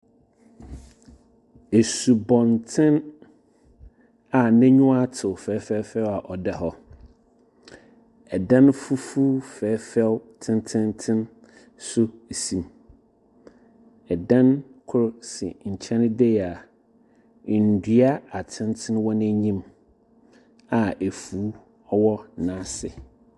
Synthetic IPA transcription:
e˨su˨bɔ̃˨ntʰɪ̃˦n | a˨nɪ̃˦ɲʊ̃˦a˦tʰɪ˨fɛ˨˦fɛ˦fɛ˦wa˨ʔɔ˨dɛ˨ɦɔ˦ | ɛ˨dã˦n˦fu˦fu˦fɛː˨˦fɛ˦wtʰɪ̃˦n˦tʰɪ̃˦ntʰɪ̃˦n | sʊ˦˨sĩ˨m | ɛ˨dã˦nkʰʊ˦ɾsɪ̰˨ɲ̩˨t͡ɕʰɛ̃˦n˦dɛ˦ja˨ | n̩˨dɥa˦a˨tʰɪ̃˦ntʰɪ̃˦nwɔ˦nɪ̃˦ɲĩ˦m | a˨ʔæ˨fuː˨˦ | ɔ˦wɔ˦nã˨˦sɪ̰˨

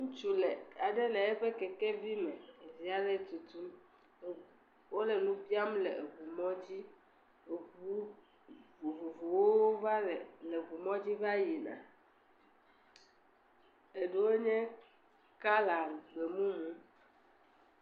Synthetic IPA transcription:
ŋũ˦t͡ʃu˦lɛ˨a˨ɖɛ˦lɛ˨ɛ˦ɸɛ˦kɛ˨kɛ˦vi˦mɛ̃˨e˨zi˨a˨ɖɛ˦˨t̪u˨t̪u˦m˨ | wo˦lɛ˨nũ˦pi˦a˦m˦lɛ˨e˨vu˨mɔ̃˦d͡ʑi˦˨ | u˦ | u˨vu˨vo˨wo˦wo˦va˦˨lɛ˨vu˨mɔ̃˦d͡ʑi˦va˦ji˨nã̰˨ | e˨ɖe˦wo˦ɲɛ̃˦ | ka˦la˨ɡ͡be˨mũ˦mũ˦

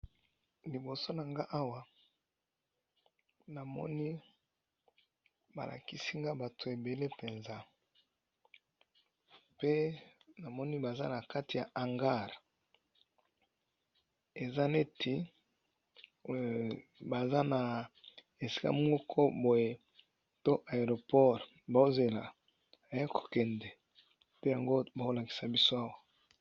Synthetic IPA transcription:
li˨bo˨so˦na˨ŋɡa˦ʔa˦wa˨ | na˨mɔ̰˦ni˦ | ba̰˨la̰˨ki˨si˦ŋɡa˦ba˨tʰo˨e˨be˨le˦pe˨nza˦ | pe˦na˨mɔ˦ni˦ba˨za̰˦na˨ka˦ti˨ja˨ʔa˨ŋɡa˦˨ʁ | e˨za˦ne˦tʰi˨ | ba˨za˦na˨ | e˨si̥˦ka̰˦m˦o˦kʰɔ˦bo˨je˨ | to˦ʔa˨e˨ʁo˨pɔ˦ʁ | ba˨˦ze˨la˨ | a˨ja˦kʰo̥˨kɛ˨ndɛ˨ | tɛ˦ja˨ŋɡo˦ba˨o˦la˨ki̥˨sa˨bi˦so˦a˦wa˦

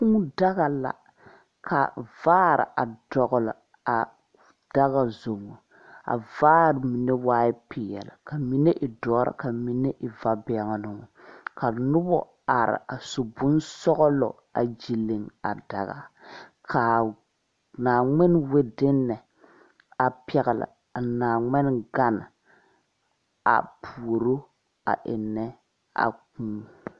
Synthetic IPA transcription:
ku˦m˦da˦ɣa˨la̰˨ | kʰa̰˨vaː˦ɾɪ̰˨ʔa̰˨dɔ˨ɣʊ˨lɔ˨ | a˨ | d̥a˦ɣa˨zo˨ŋo˨ | a̰˨vaː˦ɾmi˨ne˦waː˦ɪ˦pɪ˨jɛ̰˨lɪ˨ka˨mi˦ne˦ʔɪ˨dɔː˨˦ɾa̰˨ka˨mi˨ne˦ʔɪ˨va˦bɛ˨ŋ˨nʊ˨ŋ˨ka˨nʊ˦bɔ˦ | a˨ɾɪ̰˨a˨sʊ˨bʊ˦nsɔ˦ɣɔ˦lɔ̰˨ | a˨d͡ʒi˨le˨ŋa̰˨da˨ɣa̰˨kʰa˨ | naː˨ŋɪ˦n˦we˦dɪ˦nːɛ˨ | a˨pɛ˨ɣɪ˨la̰˨ | a˨naː˨ŋɪ˦n˦ɡa˦nɪ˨ | a̰˨pʰu˨o˨ɾo˦ | a̰˨ʔɪ˨nɛ˦ | a̰˨kũː˦

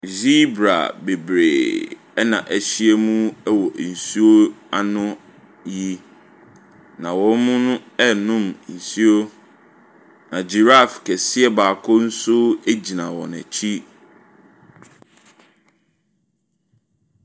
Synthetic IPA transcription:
zi˦bɾa̰˨be˨bɾḛ˨ | ɛ˦nã̰˨ʔæ˨ɕi˦ɛ˦mũ˦ɛ˦wɔ˨n̩˨su˦o˦a˦nʊ̃˦ | ji˦ | nã˨wɔ̃˦n˦mʊ̃˦nʊ̃˦ɛ˦nʊ̃˦˨mn̩˨su˦o˦ | nã˨d͡ʑi˨ɾa˦˨fkʰɛ˨sɪ˦ɛ˦baː˨kʰʊ˦n̩˦sʊ˦æ˦d͡ʑi˨nã˨wɔ̰˨nɛ̰˨t͡ɕʰi˦

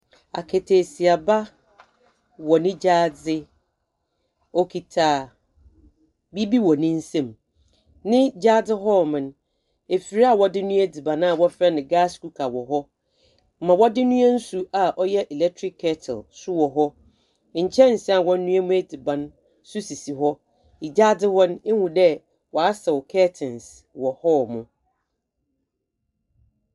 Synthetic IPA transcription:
a̰˨kʰɛ˨tʰe˨si˨a˨ba˦ | wɔ˨nɪ̃˦d͡ʑaː˦d͡zɪ˦ | ɔ˦kʰi˨tʰaː˨ | bi˦bi˦wɔ˨nɪ̃˦n̩˦sɛ̃˨m | nɪ̃˦d͡ʑaː˦d͡zɪ˦ɦɔ˦mɪ̃˨n | e˨fi˨ɾi˦a˦˨wɔ˦dɪ˦nũ˦æ˦di˨bã˨nã˦˨wɔ˦fɛ˦nɪ̃˨ɡa˦sku˦kʰa˨wɔ˨ɦɔ˦˨ | mã˨wɔ˦dɪ˦nũ˦ɛ̃˦n̩˦su˨a˨ʔɔ˦jɛ˦ʔɛ˨lɛ˦k̚tʰɾɪ˦kʰːɛ˦tʰɛ̰˨lsʊ˦wɔ˨ɦɔ˦ | ɲ̩˨t͡ɕʰɛ̃˦n̩˨sɛ˦a˨wɔ̃˦n˦nũ˦ɛ˦mũ˦æ˦di˨bã˨n | sʊ˦si˨si˨ɦɔ˦ | i˨d͡ʑa˦dɪ˦hɔ˦ne˦hũ˨dɛ˦ | wɔ˨a˦sɛ˨wkʰɛ˦tʰɪ̃˨ns | wɔ˨hɔ˦˨mʊ̃˨

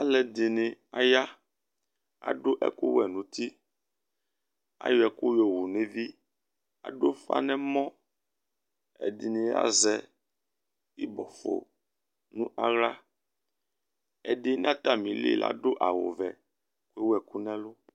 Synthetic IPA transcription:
a˦lɛ˨d̪i˨nẽ˨a˨ja˦ | a̰˨ɖo˦ʔɛ̰˨ku˦wɛ̰˨nũ˨˦t̪i˦ | a̰˦jɔ˨ɛ˨ku˦jo˨wu˨ne˦vi˦ | a̰˨ɖo˦fa̰˦nɛ̃˦mɔ̃˦ | ɛ̰˨d̪i˨nẽ˨a̰˦zɛ˦ | i˦bɔ˨fo̰˨ | nũ˦ʔa˦ɣla˦ | ɛ˨ɖe˦nã˦t̪a˦˨mĩ˨lḭ˦˨la̰˦ɖo˦ʔa˨wo̰˨vɛ̰˨ | ku˦e˦wɛ˨ku˦nɛ̃˦lʊ˦

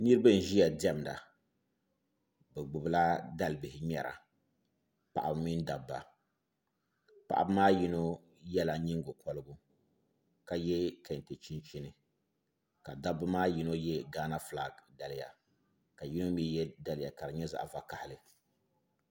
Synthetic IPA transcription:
nɨ˦ɾɨ˦bɨ˦n̩˨ʒi˦ja˨dɛ˦m˨da̰˨ | bɛ˨ɡ͡bʊ˨bla˦da˦lɨ˨bɪ˨hɪ˨mɛ˨ɾa̰˨ | pa̰˨ʔa˨mi˦n˦da˨bːa̰˨ | pa̰˨ʔa̰˨bɨ˦maː˦ji˦no˦ | jɛ˦la˨ɲi˦ŋ˦ɡo˨kɔ˦lɨ˦ɡʊ˦ | ka˨jɛ˦kɛ˨n˨te˨t͡ʃi˦nt͡ʃi˦nɨ˨ | ka˨da˦bːa˦maː˦ji˨˦no˦jɛ˦ɡaː˦na˦fla˨ɡda˨lɪ˦ja˨ | ka˨ji˦no˦mi˦jɛ˦da˦lɪ˨ja˨ka˨ɾɨ˨ɲɛ˦za̰˨ʔva˨ka˨hɪ˨lɨ˨

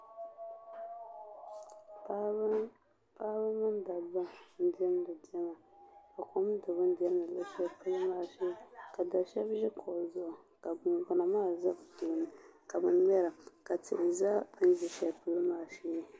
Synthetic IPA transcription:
paː˦bɨ˦mɨ˦nda˨ba˦n̩˦dɛ˦m˦dɨ˨dɛ˦ma˨ | ka˨ko˦m˦dɨ˨bɨ˦n̩˦di˦ɛ˦m˦dɨ˨la˦ʃɛ˦pɨ˦lɨ˦maː˦ʃɛ˦˨ka˨da˨ʃɛ˦bʒɛ˦kʰo˨zʊ˦ʔʊ˨ | ka˨ɡa˨na˨maː˦˨za˦bɨ˨to˨nɨ˨ka˨bɨ˨n˦mɛ˦ɾa˨ka˨tɪ̰˨ʔɪ˨za˦n̩˦d͡ʒɛ˨ʃa˨pɨ˦lɨ˦maː˦˨ʃɛː˦

